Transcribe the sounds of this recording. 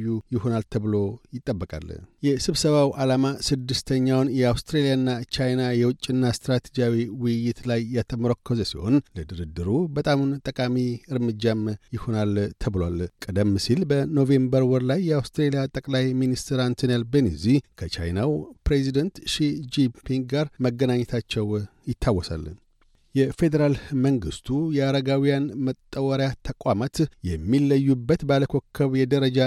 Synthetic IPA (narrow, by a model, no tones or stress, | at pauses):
jːujɪho̞nalt̪ʰəβɨlo̞jɪt̪ʼːəbːəkʼa̰ljɛsɨβsəβawalamasɨd̪ːɨst̪ʰəɲːawnjɛawst̪ɾelijaɨnːat͡ʃajnajɛwʊt͡ʃʼːɪnːast̪ɾat̪ʰed͡ʒijawiwʊjːɪt̪lajːat̪ʰəmɾokʰːɔzəsiho̞̰nləd̪ɨɾɨd̪ɨɾubət̪ʼamnt̪ʼəkʼamiɨɾmɨd͡ʒːamjɪho̞nalt̪ʰəβlwalkʼəd̪əmːɨsilbəno̞ve̞mbəɾwɔɾlajːɛawst̪ʰɾelijat̪ʼəkʼlajminist̪ʰɨɾant̪ʰonelbenizikʰət͡ʃʰa̰jnawpɾezid̪ənt̪ʃid͡ʒipʰiŋɡɡaɾməɡːənaɲːɛt̪ʰat͡ʃːɛwjɪt̪ʰːawːɔsa̰l | jɛfe̞d̪əɾalməŋɡɨst̪ʰujɛaɾəɡawijanmət̪ʼːəwəɾjat̪ʰəkʼwamat̪jɛmːilːəjːubːət̪bəaləkʰokʰːəβjɛd̪əɾəd͡ʒa